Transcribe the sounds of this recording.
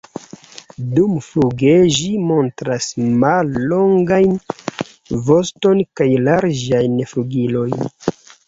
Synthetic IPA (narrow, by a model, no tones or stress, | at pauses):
dumfluɡeʒimo̞ntɾasmalːo̞ŋɡajn | vo̞sto̞nkajlaɾd͡ʒajnfluɡilo̞jn